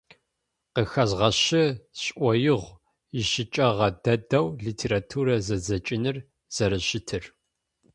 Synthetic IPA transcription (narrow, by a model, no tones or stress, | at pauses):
qəxɐzʁɐɕɪɕʼʔʷɔjɪʁʷ | ɪʃɪt͡ʃʼɐʁɐdɐdɐwɮiːtʰeːɾatʰuːɾɐzɐzɐt͡ʃʼɪnɨr | z̥ɐɾɐɕɪtʰɨr